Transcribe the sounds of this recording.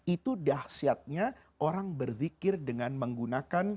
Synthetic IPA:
it̪udahsiat̪̚ɲa | ʔoɾaŋbərfikɪrdəŋanməŋɡunakan

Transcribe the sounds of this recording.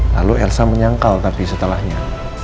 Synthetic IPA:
la̰luɛlsaməɲaŋkalt̪apisət̪əlahɲa

